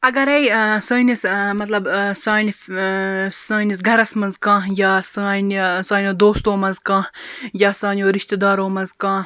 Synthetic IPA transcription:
ɐɡɐɾɐjsɐːnismɐt̪lɐbsaːn | saːnisɡʱɐɾɐsmɐnzkãːjaːsaːnsaːnʲod̪oːst̪oːmɐnzkãːjaːsãːnʲjoːɾiʃt̪ed̪aːɾoːmɐnzkãː

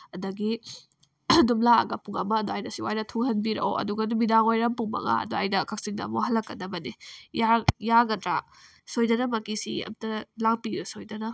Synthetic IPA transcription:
ɐdɐɡi | dumlaɐ̰ɡɐpuŋɐmɐːduajnɐsiwajdɐtʰuŋhɐnbiɾɐ̰o̰ɐ̰duɡɐdumidaŋojɾɐmpuŋmɐ̰ŋa̰ɐ̰duajdɐkʰɐk̚siŋdɐ̰moɦɐlɐkːɐdɐbɐnijajaɡɐdɾa | sojdɐnɐmɐkisiɐ̰mtɐlaŋpiɾusojdɐnɐ

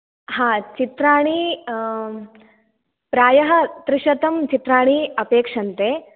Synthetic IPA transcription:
hãːt͡ʃit̪ɾaːɳi | pɾaːjɐɦɐ̆t̪ɾɪʂɐt̪ɐmt͡ʃit̪ɾaːɳ̃iɐpeːkʂɐnt̪eː

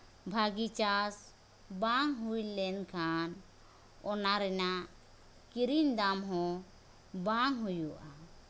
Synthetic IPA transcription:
bʱaɡit͡ʃas | baŋɦujlɛnkʰan | ɔnaɾɛnaʔ | kiɾind̪amɦɔ̃ | baŋɦujuʔa

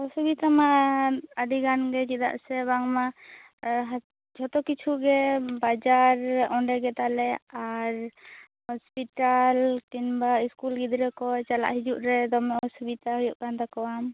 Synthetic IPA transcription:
ɔsubit̪ama | aɖiɡanɡɛd͡ʒɛd̪a̰ʔsɛβaŋma | ɦ | d͡ʒʰʱɔt̪ɔkit͡ʃʰuʔɡɛbad͡ʒaɾɔɳɖɛɡɛt̪alɛaɾ | hɔspiʈalʈinbaiskulɡid̪ɾɛkɔjt͡ʃala̰ʔɦid͡ʒuʔɾɛd̪ɔmɛɔsubit̪aɦujɔʔkand̪akɔwam

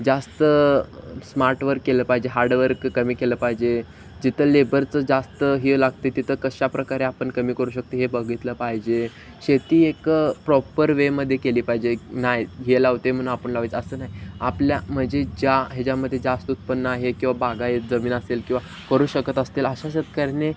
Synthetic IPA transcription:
d͡zast̪ə | smaɾʈʋəɾkːeləːpaɦid͡ʑeɦaɾɖʋəɾkːəmiːkeləːpaɦid͡ʑe | d͡ʑit̪ʰəlebəɾt͡səd͡zast̪əɦelaɡt̪et̪it̪ʰəːkəɕapɾəkaɾeapəɳkəmiːkəɾuːɕək̚t̪eɦebəɡʱit̪ləpaɦid͡ʑe | ɕet̪iːekpɾɔpəɾʋeməd̪ʱːjekeliːpaɦid͡ʑenajɦelaʋt̪em̤əɽ̃ũnapəɳlaʋet͡səsəːnaɦjapljam̤əɳd͡ʑed͡ʑjaɦed͡ʑjaməd̪ʱːjed͡zast̪ut̪̚pənːəaɦekĩw̃ʋabaɡaɦed͡zəmiːnəselkĩw̃ʋa | kəɾuːɕəkət̪əst̪eləɕaɕət̪̚kaɾne

